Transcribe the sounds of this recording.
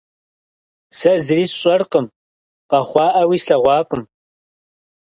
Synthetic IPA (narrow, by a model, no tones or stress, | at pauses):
sɐzɨriːsɕʼɐrqəm | qɐχʷɑːʔɐwiːsɬɐʁʷɑːkʷʼʊm